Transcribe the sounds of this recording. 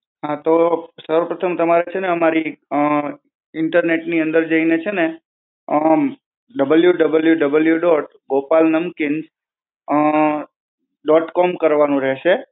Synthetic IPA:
ɦãt̪osəɾəpɾət̪ʰəmt̪əmaɾet͡ʃʰeneəmaɾi | ɪɳʈəɾneʈniə̃nd̪əɾd͡ʒəinet͡ʃʰene | ə | ɖəbəljuɖəbəljuɖəbəljuɖɔʈ | ɡopalnəmkɪnd͡ʒ | ɖɔʈkɔmkəɾʋanũɾɛɦʃe

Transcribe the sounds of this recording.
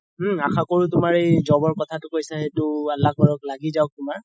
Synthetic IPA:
m̩axakoɹutʊmaɹejzɔbɔɹkɔtʰatʊkojsaetʊalːak̚bɔɹɔklaɡizaʊk̚tʊmaɹ

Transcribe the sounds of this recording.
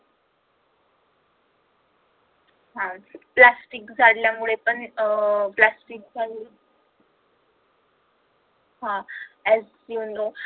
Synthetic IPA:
ɦãplasʈikd͡zʱaɽljamuɭepəɳplasʈik̚d͡zʱaɽl | ɦãɛz | ind̪o

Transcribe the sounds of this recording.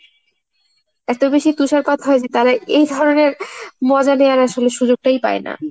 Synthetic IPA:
ɛt̪obeʃit̪uʃaɾpad̪ɦɔed͡ʑet̪aɾaejd̪ʱɔɾoneɾmɔd͡ʑaneaɾaʃoleʃud͡ʑoɡ̚ʈajpa̰ena̰

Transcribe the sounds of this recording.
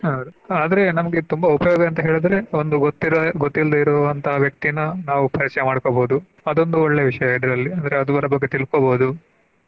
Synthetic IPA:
aɾuaːd̪ɐɾe̞nɐmɐɡe̞t̪umbɐupɐjoːɡɐɐnt̪ɐɦe̞ːɭid̪ɐɾe̞o̞nd̪uɡot̪ːiɾɡot̪ːild̪ɐiɾɔʋɐnt̪ɐɦɐʋjɐk̚t̪ijɐnːɐnaːʋupɐɾit͡ʃːɐjɐmaːɽkoboːud̪u | ɐd̪o̞nd̪uoɭːeːʋiʂɐjɐɐjɖɐɾɐlːiɐnd̪ɐɾeɐd̪uʋɐɾɐbɐɡːe̞t̪ilkoboːd̪u

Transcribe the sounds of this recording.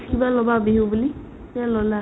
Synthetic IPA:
kibalɔbabeɦubuli | ialɔla

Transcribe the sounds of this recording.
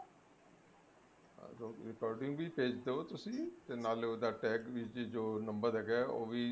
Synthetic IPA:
ɾoɾɪkɔːɾɖɪ̃ŋɡʋiːpeːd͡ʒd̪eoːt̪ʊsĩːt̪eːnaːloːd̪aːʈɛːkʋɪt͡ʃd͡ʒoːnəmbəɾɦɛːɡɛːo̰ːʋiː

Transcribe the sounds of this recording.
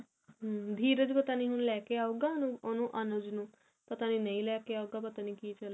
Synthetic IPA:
ɦd̪ʱiːɾəd͡ʒpət̪aːniːɦʊnlɛːkeaːuːɡaːnũːonũːʔənod͡ʒnũː | pət̪aːniːnəĩːlɛːkeaːuɡaːpət̪aːniːkiːt͡ʃəl

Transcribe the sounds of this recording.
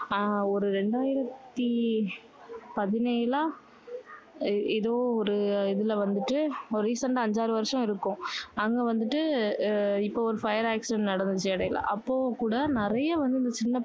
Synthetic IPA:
ɔɾɯɾɛɳɖaːjɪɾɐt̪ːi | pɐðɪnɐjlãː | ɪðoːɔɾɯɪðɪlɐʋɐnd̪ɯʈːɯɔɾɯɾiːsɐɳʈɐɲd͡ʒaːɾɯʋɐɾʂɐ̃ɪɾɯkːʊ̃ɐŋɡeʋɐnd̪ɯʈːɯ | ɪpːoːɔɾɯfɐjɐɾaːksɐnnɐɽɐnd̪ɯt͡ʃːɐɽɐjɪla̰ʔɐpːoːkuːɽɐnɪɾɐjɐʋɐnd̪ɯɪnd̪ɐt͡ʃɪnːɐ

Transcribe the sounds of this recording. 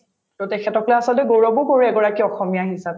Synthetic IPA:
totɛkʰɛtɔklɛasɔlɔtɛɡoɹɔbʊkoɹiɛɡɔɹakiɔxɔmijaɦisap

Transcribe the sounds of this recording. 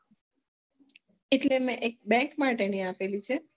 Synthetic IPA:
eʈlemẽʔek̚bɛ̃ŋkmaʈeniapelit͡ʃʰe

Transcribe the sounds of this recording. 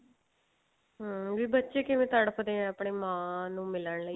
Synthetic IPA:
ɦʋiːbətːʃeːkɪʋẽːt̪aːɽapʰəd̪eːɛ̃əpɳeːmãːnũːmɪləɳləi

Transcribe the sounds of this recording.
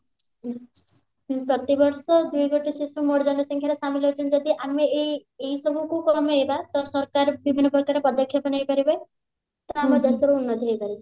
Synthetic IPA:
pɾɔt̪ibɔɾsɔd̪ujɡoʈisisumoɽd͡ʒɔɳɔsɔŋkʰjaɾesamilɦot͡ʃʰɔnd͡ʒɔd̪iʔameeɦisɔbʱukukɔmejbat̪ɔɾsɔɾkaɾbibʱinːɔpɔkːaɾepɔd̪ɔkʰːjɔpɔnejpaɾibaj | t̪ɔamɔd̪esɔɾuunːɔd̪ʱiɦejpaɾib

